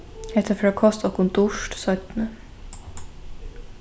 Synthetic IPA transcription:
ɛht̪əfɾakʰɔst̪ɔhkʊnd̪ʊʂtsœt̪nə

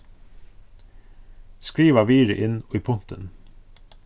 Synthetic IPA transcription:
skɹiːʋɑʋiːɹɪ̰ʔɪnoːiːpʰʊnt̪ən

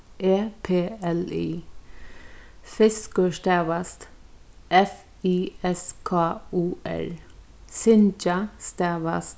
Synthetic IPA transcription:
eːpʰeːɛlḭː | fɪskəʂt̪ɛːʋast̪ | ʔɛf | iːɛskʰɑːuːɛ̰ɹ | sɪnt͡ʃast̪ɛːʋast̪

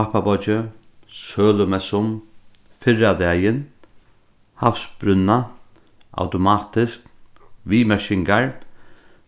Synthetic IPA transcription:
apabɔt͡ʃɪ | sœːlʊmɛsʊm | fɪrad̪ɛːjɪn | hafsbɾʏnːa | a̰wt̪ʊmaːt̪ɪskʋiːmɛʃɪŋkaɹ

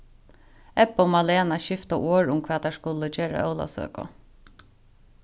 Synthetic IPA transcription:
ɛpʊmaleːnaʃɪft̪aʔoːɹʊmkʰvaːt̪ʰaʂkʊləd͡ʒeːɹa̰ʔœwla̰sø̰ːkɔ̰

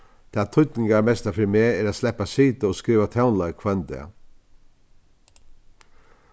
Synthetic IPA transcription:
d̪̥ɛæt̪ʰʊt̪nɪŋɡamɛst̪afɪmeːeːɾaːslɛpasiːt̪əoːskɾiːʋat̪ʰaʊnlaɪkʰʋœnd̪ɪ̰

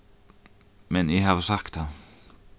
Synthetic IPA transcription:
mɛnjɛɦaːvsakt̪ha

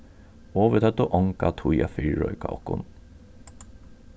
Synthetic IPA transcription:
ɔːʋət̪ʰœt̪ːɔʔɔŋkat̪ʰuja̰fiɹɔ̰ʏkaɔ̰kʊ̰n

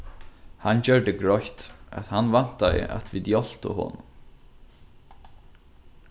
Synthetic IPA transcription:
hant͡ɕœɹd̪ɪɡɹɔçt̪a̰t̪hanvan̥t̪aɪ̰ʔa̰t̪vit̪jɔl̥t̪ʊ̰ɦʊ̰n

